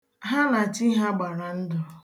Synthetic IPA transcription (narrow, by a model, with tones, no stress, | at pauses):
ɦa˦na˨t͡ʃi˦ɦa˦ɡ͡ba˨ɾa˨n̩˦dʊ˨